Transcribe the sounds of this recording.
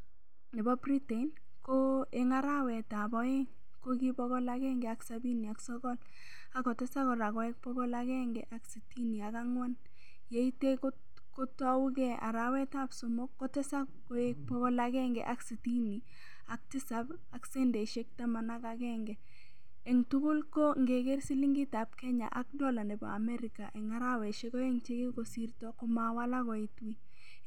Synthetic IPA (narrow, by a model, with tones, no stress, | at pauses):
nɪ˨bɔ˦bri˦te˨in | koeŋaɾawɛ˨ta˨bɔ˦eŋ | kokibɔkɔ˦lakɛ˦ŋɡɛ˨aksabi˦ni˨a˨ksɔkɔ˦l | akɔ˨te˦sa˦kɔ˨ɾa˨kɔ˨ek̚pɔɡɔ˦lakɛŋɡɛʔaksi˨ti˦ni˨a˨ka˦ŋwa˦n | je˦ite˦ko | ko˦tɔ˦u˦kɛa̰˨ɾawɛ˦tapso˨mo˦kːo˦tɛ˦sa˦ | o˨ek̚pɔbɔ˦laɡɛŋɡɛ̰ʔa˦ksiti˦ni˨ | a˨k̚tɪ˦sa˦b | a˨ksɛ˦nde˨ʃe˦k̚ta˦ma˨na˦kakɛŋɡɛ˨ | ɛ˨ŋtu˦kʊ˦lko˦ŋɡe˨ke˦ɾsi˦li˦ŋɡɪ˦ta˨p̚kɛ˦ɲa̰˨ʔak̚dɔ˦la˨nɛ˨bɔ̰˨a˨mɛ˦ɾɪka˨ʔɛ˨ŋa˦ɾa˦wɛ˨ʃe˦kɔ˦jɛ˦ŋt͡ʃe˦ke˦ko˨siɾtɔkɔ˦ma˨wa˦la˦kɔ˨itwi˦